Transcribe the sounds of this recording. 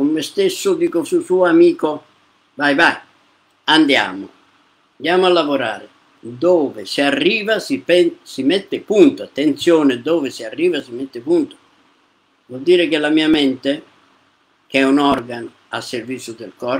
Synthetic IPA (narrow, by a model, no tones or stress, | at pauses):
kʊmːɪst̪esːʊd̪iːkosusuːamiːkʊ | vajvaj | and̪ja̰ːmʊ̰ | and̪jaːmʊalːavoɾa̰ːɾɪ̰ | d̪oːvɪsiarːiːvasipɛsimɛt̪ːɪpunt̪ʊat̪ːent̪sjoːnɪd̪oːvɪsiarːiːvasimet̪ːɪpunt̪ʊ̥ | vɔld̪iːɾɪkɪlːamiːamɛnt̪ɪ | k̟ɛunɔrɡanʊ | a̰sːervit̪sːjʊd̪elkɔːɾ